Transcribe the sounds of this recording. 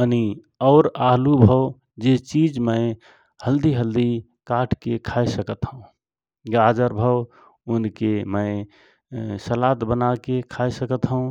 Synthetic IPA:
əni | ɔʊɾaɦlubʱəʊ | d͡ʒet͡ʃid͡ʒməɪ | həld̪iɦəld̪i | kaʈʰkekʰaesəkət̪ɦəũ | ɡad͡ʒəɾbʱəw | unkeməɪ | səlat̪bənakekʰajsəkət̪ɦəũ

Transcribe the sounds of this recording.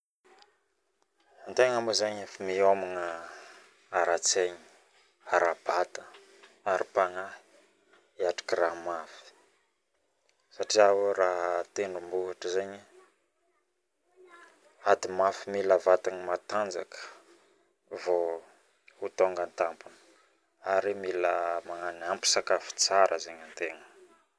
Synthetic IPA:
ant̪eŋamuzaɲfimiominə | aɾat͡seɲi̥ | aɾab̥at̪ə | aɾipaŋaɦi̥ | iaʈ͡ʂḁkiɾaɦmafi̥ | saʈ͡ʂiawraɦət̪eɳumbuɦaʈ͡ʂəzeɲi | ad̪imafimilavat̪aŋimat̪and͡zakə̥ | vo | ut̪oŋɡant̪ampunə̥ | aɾimiləmaŋaniampi̥sakafi̥t͡saɾʔəzeɲant̪eŋə

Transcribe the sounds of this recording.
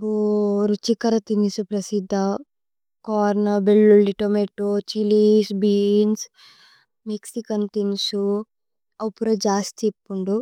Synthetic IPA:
boɾut͡ʃikɐɾɐt̪inisupɾɐsid̪ʱːɐ | kɔːɾnɐbeɭːulɖiʈomeʈːot͡ʃilisbiːns | meksikɐnt̪inisu | ɐwpuɾɐd͡ʒaːst̪epːuɳɖu

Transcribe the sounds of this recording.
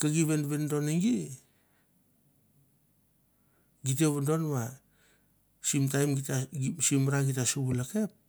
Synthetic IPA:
kaɡiβenβendo̞neŋɡi | ɡit̬eβendo̞nβa | simtajmɡitasimɾaɡitasuβulake̞p̚

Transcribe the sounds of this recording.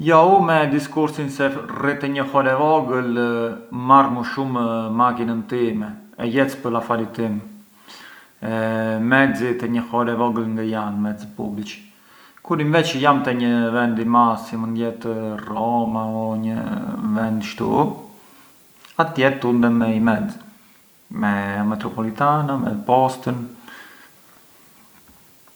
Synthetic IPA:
jɔumɛd̪iskuɾsinsɛrit̪ɛɲəxɔɾɛvɔɡəl | marmuʃummakinənt̪imɛɛjɛt͡spəɾafaɾit̪im | ɛmɛd͡zit̪ɛɲəxɔɾɛvɔɡəlŋɡajanmɛd͡zipṵblit͡ʃ | kuɾinvɛt͡ʃjamt̪ɛɲəvɛnd̪imasimənd̪jɛt̪ərɔmaɔɲə̰vɛnd̪ʃt̪ṵ | at̪jɛt̪und̪ɛmɛimɛd͡z | mɛmɛt̪ɾɔpɔlit̪anamɛ̰pɔst̪ən

